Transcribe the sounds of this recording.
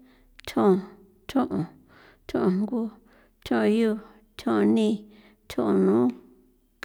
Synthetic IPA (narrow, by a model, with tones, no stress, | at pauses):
t̪ʰõ˦˨ | t̪ʰõ˦ʔõ˨ | t̪ʰõ˦˧ʔõ˨ŋ˦ɡu˦ | t̪ʰõ˦˨˧ju˦˧˨ | t̪ʰõ˦˧nĩ˦˧ | t̪ʰõ˦ʔo˨nũː˨˦ | k